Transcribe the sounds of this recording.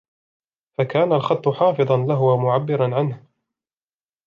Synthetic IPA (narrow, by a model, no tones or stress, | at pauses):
fakaːnalxɑt̪ˤːʊħɑːfɨðˤɑnlaɦʊwamʊʕabːɪɾˤɑnʕanh